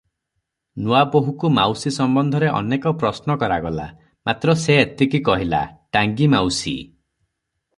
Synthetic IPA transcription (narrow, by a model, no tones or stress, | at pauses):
nuaboɦukumawsisɔmbɔnd̪ʱɔɾeʔɔ̰nekɔpɾɔsnɔkɔɾaɡɔla̰ | mat̪ɾɔseet̪ikikɔɦila̰ʈaŋɡimawsḭ